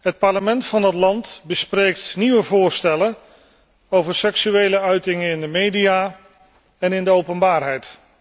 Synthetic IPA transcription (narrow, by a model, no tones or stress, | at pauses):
ɦət̚pɑɹləmɛntfɑndɑtlɑntbəsprejk̚tniʋəvʊːɹstɛlən | owvəɹsɛksyejləœɥtɪŋəɪndəmejdija | ɛnɪndəowpənbaːrɦɛjt